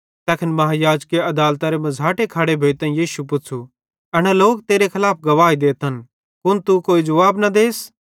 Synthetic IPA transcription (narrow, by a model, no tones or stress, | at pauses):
t̪ɛːkʰɪnmɐɦãjaːd͡ʒkeɐd̪aːlt̪aɾemɐzʱaːʈekʰaːɽebʱeːt̪ɐ̃ːjiːʃupʊt͡sʰu | ɐñɛloːk̚t̪eːɾekʰɐlaːp̚ʰɡɐʋaːid̪eːt̪ən | kʊnt̪ukoːid͡ʒɐʋaːbnɐd̪eːs